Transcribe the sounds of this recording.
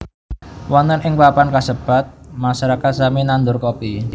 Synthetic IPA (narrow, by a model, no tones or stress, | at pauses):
wanənɪŋpapankasəb̥a̤t̪̚maʃaɾakat̪̚saminand̪ʊrkopi